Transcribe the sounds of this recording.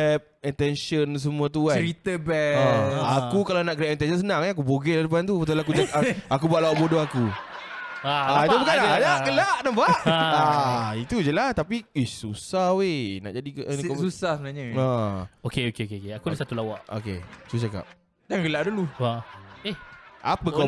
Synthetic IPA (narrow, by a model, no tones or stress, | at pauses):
ɛp̚int̪ɛnʃəns̬əmũat̪̬uaɾit̪əbɛaakkukalanaʔkəɾiaʔint̪ɛnʃəns̬ənãŋɛak̬uboɡeladəp̬ant̪̬upt̪̬alaak̬uaaakubaʔlawaʔbodoaku | aad̪obəkadaaɡəlaʔnabaʔait̪ud͡ʒəlast̪apiesusahwena̰ʔd͡ʒadikʔnksusahsəbənaɲəaokeokeokeokeakudasat̪ulawaʔo̰kḛt̪ut͡ʃaka̰p̚ | daŋɡəlaʔdulu | ehʔa̰pəka